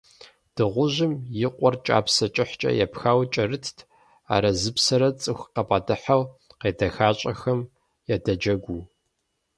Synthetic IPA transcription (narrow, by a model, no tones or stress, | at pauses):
d̥ɨʁʷʊʑɪmjɪqʷʼɔrt͡ʃʼa̰ːpsɐt͡ʃʼɪħt͡ʃʼɐ̰jɛ̰pxaːwt͡ʃʼɐrɨtʰtʰ | a̰ːɾɐzɨpsɐɾɐt͡sʼɨxʷqɐpʼɑdɨħawqeːdɐxaːt͡ʃʼɐxɐm | jɛdɐd͡ʒɐɡʷu